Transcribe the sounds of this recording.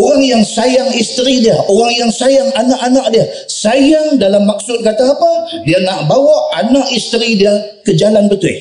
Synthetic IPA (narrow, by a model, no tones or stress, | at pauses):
oɣaŋjaŋsajaŋist̪ɾidiaoɾaŋjaŋsajaŋanaʔanaʔ̚dia | sajaŋdalamːak̚sʊt̪̚kat̪aːpadiaŋaʔbawaʔanaʔist̪əɾidia | kəd͡ʒalanbət̪ʊɪ̰h